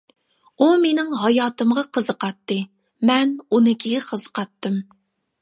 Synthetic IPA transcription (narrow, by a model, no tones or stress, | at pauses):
umenɪŋɦɑjɑːt̪ɨmʁɑqʰəzəqɑt̪ːɨ | mɛnunɨkʲiɡʲɛqʰəzə̥qʰɑt̪ːɨm